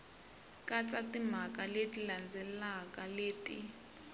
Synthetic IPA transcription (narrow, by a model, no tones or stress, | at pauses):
kʼat͡satim̤akʼaletʼiland͡zʱɛlakʼaleːtʼḭ